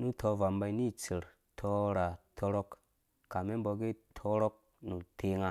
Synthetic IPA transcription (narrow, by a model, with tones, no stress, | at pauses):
nu˦tʰo˧va˨mba˧i˦ni˦˨t͡si˨ɾ | tʰo˧ɾa˨tʰo˧ɾo˦k | ka˨me˦m˦bo˧ɡe˦tʰo˦ɾo˦k̚ | nu˨tʰe˨ŋa˧